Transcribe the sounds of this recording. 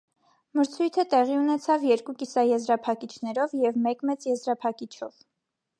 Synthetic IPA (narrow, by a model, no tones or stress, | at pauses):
məɾt͡sʰujt̪ʰət̪ɛʁiunɛt͡sʰɑvjɛɾkukisɑjɛzɾɑpʰɑkit͡ʃʰn̪ɛɾɔvjɛvmɛkmɛt͡sjɛzɾɑpʰɑkit͡ʃʰɔ̰v̥